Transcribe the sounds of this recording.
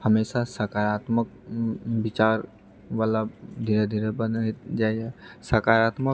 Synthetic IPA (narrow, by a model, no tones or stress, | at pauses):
həmeːʃasəkaːɾaːt̪mək̚bɪt͡ʃaːɾ | ʋaːlad̪ʱiːɾed̪ʱiːɾebəd̪ed͡ʒaːeɦɛsəkaːɾaːt̪mə